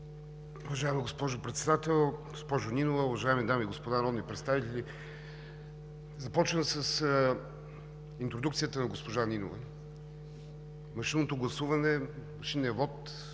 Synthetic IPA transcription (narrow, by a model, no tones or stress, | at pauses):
uvɐʒaɛmiɡospɔʒopɾɛt̪sɛd̪at̪ɛlˠɡospɔʒʊninovəuvɐʒaɛmid̪amiːɡospod̪anɐɾɔd̪nipɾɛt̪st̪avit̪ɛlʲi | zɐpɔt͡ʃnəmsəsə | int̪ɾod̪ukt̪siət̪ənɐɡospoʒanino̰və̰ | mɐʃinot̪oɡlˠɐsuvɐnɛmɐʃinɛvɔt̪